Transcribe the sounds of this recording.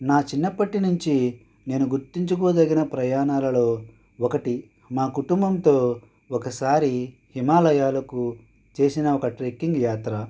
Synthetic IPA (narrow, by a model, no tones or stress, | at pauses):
naːt͡ʃinːɐpːɐʈinuɲt͡ʃi | ne̞ːnuɡuɾt̪iɲt͡ʃukoːd̪ɐɡinɐpɾɐjaːnaːlɐlo̞ː | ɔkɐʈi | maːkuʈumbɐmt̪o̞ː | ɔkɐsaːɾi | himaːlɐjaːlɐku | t͡ʃe̞ːsinɐɔkɐʈɾeːkiŋɡjaːt̪ɾɐ